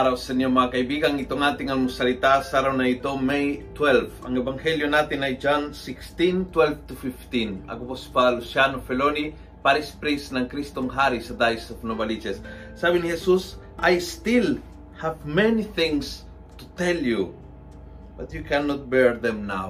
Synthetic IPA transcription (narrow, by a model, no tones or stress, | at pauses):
aɾawsɛnjomɐŋakɐjbiɡɐŋit̪oŋat̪ɪŋɐŋmʊsɐlit̪asaɾawnɐit̪omejt̪wɛlvɐ̰ŋɛbɐŋhɛljonat̪ɪnɐjd͡ʒansikst̪ĩnt̪wɛlvt̪ʊfift̪ĩnɐ̰ɡopospalusjanofɛloni | paɾispɾisnɐŋkɾist̪oŋɦaɾisɐd̪ajsofnobɐlit͡ʃɛsː | abinihɛsus | ʔajst̪il | havmɛniθɪ̃ŋs | t̪ʊt̪ɛlju | b̥ɐt̪̚jukɛnot̪̚bɛɹðɛ̃mna̰w